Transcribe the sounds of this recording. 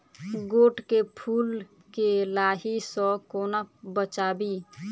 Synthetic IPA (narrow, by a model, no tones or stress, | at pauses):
ɡoːʈkepʰuːl | kelaːɦisɔkoːnabət͡ʃaːbi